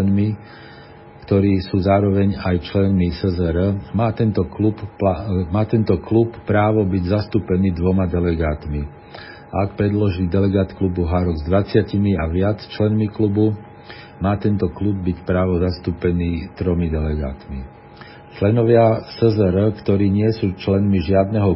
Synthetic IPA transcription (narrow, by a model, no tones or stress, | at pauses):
nmi | kt̪ɔɾiːsuːzaːɾɔʋɛɲajt͡ʃlɛnmisɛzɛɾmaːt̪ɛnt̪ɔklupamaːt̪ɛnt̪ɔkluppːɾaːʋɔbiɟzast̪uːpɛniːd̪ʋɔmad̪ɛlɛɡaːt̪mi | akpɾɛd̪lɔʒilːd̪ɛlɛɡaːt̪klubuɦaɾɔɡzd̪ʋat͡sɪacimiaʋɪat͡st͡ʃlɛnmiklubu | maːt̪ɛnt̪ɔklub̚ːicpɾaːʋɔzast̪uːpɛniːt̪ɾɔmid̪ɛlɛɡa̰ːt̪mḭ | t͡ʃlɛnɔʋɪasɛzɛɾəkt̪ɔɾiːɲɪɛsuːt͡ʃlɛnmiʒɪad̪nɛɦɔ